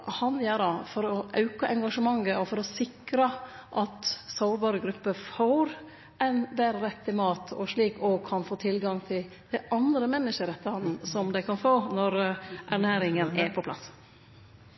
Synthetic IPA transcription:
hɑnjæːɖɑfɔɾɔʔɑʉkɑʔɛŋɡɑʂəmɑŋːəɔfɔɾɔsɪkɾəʔɑt̪soʊɾbɑːɾəɡɾʉpːəfoːɾ | ʔæɪnbæɾəɾɛt̪ːɪmɑːt̪ʰɔ̰ʂɭiːkɔkʰɑnfoːt̪ʰɪlɡɑŋt̪ʰɪl | d̪̥æɪʔɑnd̪ɾəmɛnːəʂəɾɛt̪ːəhɑnn̩sɔmd̪æɪkʰɑnfoːnɔɾʔæɳæːɾɪŋənæpʰɔpʰlɑ̰s

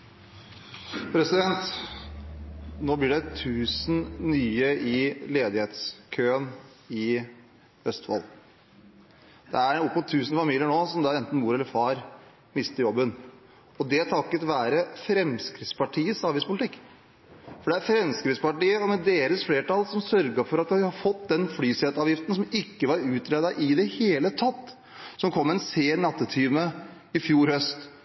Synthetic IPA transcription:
pʰɾɛsɪd̪ɛnt̪ | noːblɪːɖɛt̪ʰʉːsn̩nyːəʔɪleːd̪ɪheːt̪skʰøːən | ɪ | œst̪ʋɑ̰l | d̪̥ɛæɾɔpːmʊt̪ʰːʉːsn̩fɑmiːlɪəɳoːsɔmd̪ɑːɛnt̪n̩muːɾɛlːəɾfɑːɾ | mɪst̪əɾjɔbːən | ɔd̪ɛt̪ʰɑkːət̪ʋæːɾəfɾɛmskɾɪt̪spɑʈʰiːəsɑːʋjɪspʰʊlɪt̪ʰɪkː | fɔɖɛæɾfɾɛmskɾɪt̪spɑʈiːəɔmɛd̪eːɾəsfleːʈɑlsɔmsœɾɡəfɔɾɑt̪̚d̪ɪɪhɑɾfɔt̪ːd̪ɛnflyːsɛt̪ɑːʋjɪft̪ən̩sɔmɪkːəʋɑɾʉːt̪ɾed̪ɑʔɪd̪ɛheːlət̪ʰɑt̪ː | sɔmkʰɔmːɛnseːnɑt̪ːət̪ʰyːmə | ɪfjuːɾhœst̪

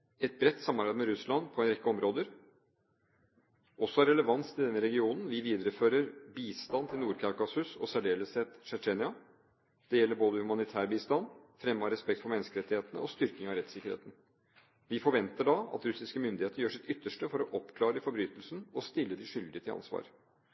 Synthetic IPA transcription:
ɛt̪̚bɾɛt̪ːsɑmːɑɾbæɪd̪mɛɾʉslɑnpʰɔɛnɾɛkːəɔmɾoːd̪əɾ | ɔsːɔæɾɛləʋɑnsʰɪld̪ɛnːəɾɛɡɪuːnn̩ʋɪʋiːd̪əɾəføːɾəɾbiːst̪ɑnt̪ʰɪlnuːɾkʰɑkɑsʉsɔ̰sæɖeːləsɛt̪ʂt͡ʃeːnɪɑ | d̪̥ɛjɛlːəɾboːd̪əhʉmɑnɪt̪ʰæːɾbiːst̪ɑnfɾɛmːɑɾɛspɛk̚t̪fɔɾmɛnːskəɾɛt̪ːɪheːt̪ənə̰ɔst̪ʏɾkɪŋɑʋɾɛt̪sɪkːəɾhḛːt̪n̩ | ʋɪfɔɾʋɛnt̪əɖɑɑ̰t̪ɾʉsɪskəmʏnd̪ɪheːt̪əɾjøːʂɪt̪ʏt̪ːəʂʈəfɔɾɔʔɔpkʰlɑːɾəɪfɔɾbɾyːt̪əlsnɔst̪ɪlːəd̪ɪʂʏld̪ɪət̪ʰɪlɑ̰nsʋɑ̰ːɾ

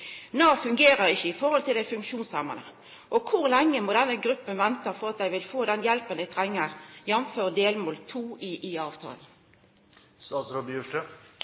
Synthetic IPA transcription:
noːfʉŋɡeːʁəʁɪçːəɪfɔʁhɔlt̪ʰɪld̪æɪfʉŋkʃuːnsɑmɑ̰nə̰ | ʔɔkʰʊʁlɛŋːəmɔːd̪ɛnəɡʁʉpːənʋɛnt̪ɑfɔʁɑt̪̚d̪æɪʋɪlfoːd̪ɛnjɛlpənd̪æɪt̪ʰʁɛŋːəʁjɛnføːʁd̪eːlmoːlt̪ʰuːʔɪʔiɑːʋt̪ʰɑ̰ːln̩ | sɑːsɾɔbjʉʈə

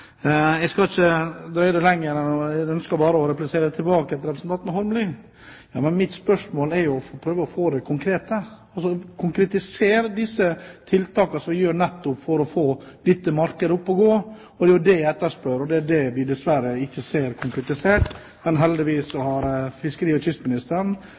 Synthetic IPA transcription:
ɛɪskɑlɪçəd̪ɾœʏd̪ɛlɛŋːəɾɛnɔɛœnskɑlbɑːɾəɔɾɛplɪseːɾəd̪ɛt̪ʰɪlbɑːkəɛt̪ːɾɛpɾəsn̩t̪ɑnt̪nəhɔɾmli | jɑ̰ːmɛnmɪt̪spœʂmoːlɛɾjʊɔfpʰɾøːʋəɔfoːd̪ɛkʰʊŋkʰɾeːt̪əɑlsɔkʰʊŋkɾɛt̪ɪseːɾd̪ɪsːət̪ʰɪlt̪ʰɑːkɑsɔmʋɪjøːɾɳɛt̪ːʊpfɔɾɔfoːlɪt̪ːəmɑɾkəd̪əʊpːɔɡoː | ɔd̪ɛjʊd̪ɛjæɛt̪ːəʂpœɾɔd̪ɛæɖɛʋɪd̪ɛsʋæɾəɪçːəseːɾkʰʊŋkɾɛt̪ɪseːʈ | mɛnɦɛld̪ɪʋiːsɔhɑɾfɪskəɾiːɔtʏst̪mɪnɪst̪əɾɳ

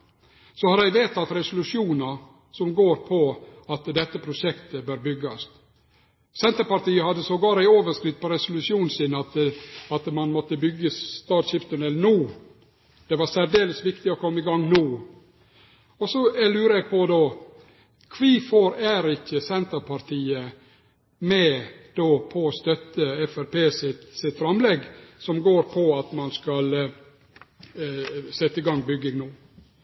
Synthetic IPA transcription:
sɔhɑɾæɪʋeːt̪ɑt̪ɾɛsʊlʉʂjuːnɑ | sɔmɡoːɾpʰɔɑt̪d̪ɛt̪ːəpʰɾʊʂɛkt̪əbøːɾbʏɡɑst̪ | sɛnt̪əɾpɑʈ̪iːəhɑd̪ːəsɔɡɑːɾæɪoːʋəʂkɾɪt̪̚ːpʰɔɾɛsʊlʉʂuːnsɪnɑt̪ɑt̪mɑnmɔt̪ːəbʏɡːəst̪ɑːʈ̪ɕɪft̪ənɛlːənuː | d̪̥ɛʋɑɾsæɾd̪eːləsʋɪkt̪ɪɔkʰɔmːəɪɡɑŋːnuː | ɔsɔælʉːɾəɛɡ̚pʰɔd̪oː | kʰʋiːfoɾæɾɪçəsɛnt̪əpʰɑɾt̪ʰiːə | mɛd̪̥oːpʰɔːst̪œt̪ːəɛfæɾpeːsɪt̪sɪt̪fɾɑmlɛɡsɔmɡoːɾpʰɔɑt̪mɑnskɑl | sɛt̪ːəɪɡɑŋːbʏɡːɪŋnuː

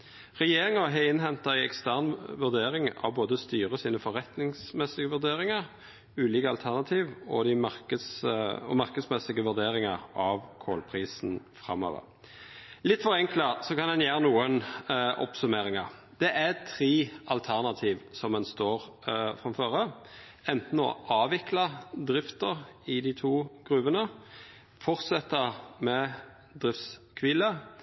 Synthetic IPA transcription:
ʁɛjeːɾɪŋɑɦɛɪnɦɛnt̪ɑɪɛkst̪æʁnʋʉʁd̪eːɾɪŋɑ̰ʋboːd̪əst̪yːʁəsiːnəfɔʁɛt̪nɪŋsmɛsɪɡəʋʉd̪eːɾɪŋɑʁ | ʉːliːkəɑlt̪ʰæʁnɑt̪ʰiːʋɔd̪ɪmɑʁkəd̪sɔ̰mɑʁkəd̪smɛsɪɡəʋʉd̪eːɾɪŋɑʁɑʋkʰoːlpʰʁiːsnfɾɑ̰mːo̰ːʋə̰ʁ | lɪt̪ːfɔɾɛŋkləsɔkʰɑnd̪ɛnjeːʁənuːənʔɔ̰psʉmeːɾɪŋɑʁ | d̪̥ɛʔæt̪ʰɾeːɑlt̪ʰæʁnɑt̪ʰiːʋsɔmɛnst̪oːʁfɾʁɑmføːʁə | ɛnt̪n̩ɔ̰ʔɑːʋɪklɑd̪ɾɪft̪əʁɪd̪ɪt̪ʰuːɡ̥ɾʉʋənə | fɔʁt̪sɛt̪ːəʁmɛ | d̪ʁɪft̪skʰʋiːlə

